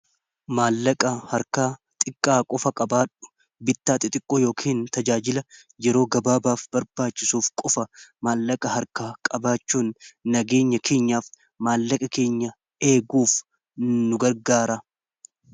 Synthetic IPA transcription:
maːlːɐkʼɐhɐɾkaːt̪ʼɪkʼːaːkʼɔfɐkʼɐbaːᶑʊ̥ | bɪt̪ːaːt̪ʼɪt̪ʼɪkʼːoːjo̞ːkʰiːnt̪ɐd͡ʒaːd͡ʒɪlɐ | jɛɾo̞ːɡɐbaːbaːfbɐɾbaːt͡ʃːɪsuːfkʼɔfɐmaːlːɐkʼɐhɐɾkaːkʼɐbaːt͡ʃːuːnːɐɡe̞ːɲːɐkʰe̞ːɲːaːf | maːlːɐkʼɐke̞ːɲːɐ | e̞ːɡuːf | nʊɡɐɾɡaːɾɐ

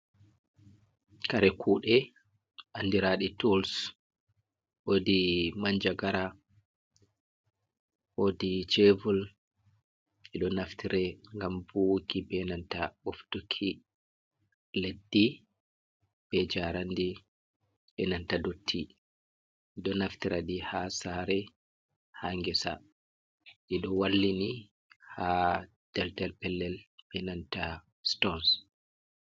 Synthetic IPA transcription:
kaɾɛkʰuːɗɛ | ʔandiɾaɗitɔls | wodimaɲd͡ʒaɡaɾa | wodit͡ʃevul | ɛɗɔnaftiɾɛŋɡamvukibɛnantaɓoftukʰi | ledːi | b̥ɛd͡ʒaɾandi | bɛnantadotʰːi | iɗɔnaftiɾʔaɗihasaɾɛ | haŋɡɛsa̰ | ɗiɗɔwalːini | ha | d̥ɛldɛlpɛlːɛlb̥ɛnanta | stɔns

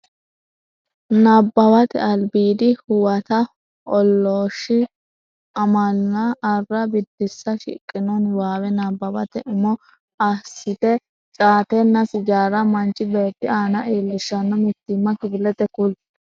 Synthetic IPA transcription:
nɐbːɐbɐt̪ɛ̰ɐlbiːd̪ɪhʊwɐt̪ɐ | ʔɔlːoːʃːɪ | ɐmɐlːɐːrːɐbɪd̪ːɪsːɐʃɪ̰kʼːɪnɔnwaːwɛnabːɐbɐ̰t̪ɛʔʊmɔ | ɐsːɪt̪ɛ | t͡ʃʼaːt̪ɛnːɐsɪd͡ʒaːɾɐmɐnt͡ʃʼːɪbe̞ːt̪ːɪaːnɐʔiːlːɪʃːɐnːɔmɪt̪ːɪmːɐkɪbɪlɛt̪ɛkʊl

